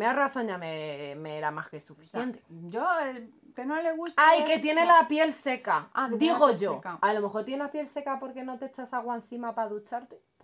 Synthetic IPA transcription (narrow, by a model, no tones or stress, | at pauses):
mearaθõ̞ɲʝamemeeɾamaskesufi̥θje̞nt̪e̥d͡ʒo | kenoleɣust̪ajke̞t̪je̞ne̞lapje̞lse̞kad̪iɣo̞ʝo̞kalo̞me̞xo̞ɾt̪je̞neapje̞lse̞kapo̞ɾke̞no̞t̪eet͡ʃasaɣwaen̟θimapaðut͡ʃaɾt̪ep